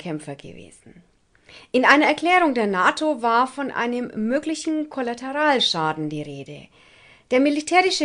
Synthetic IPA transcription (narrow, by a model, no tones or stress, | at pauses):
kʰɛmfɐɡə̰vḛːzn̩ | ʔɪnʔaɪnɐɛɐkʰl̥ɛːʁʊŋdeːɐnaːtʰovaːɐfɔnʔa̰ɪnəmːøːklɪçn̩kʰolatʰɛʁaːlʃaːdn̩diːʁeːdə | d̥eːɐmilitʰɛːʁɪʃə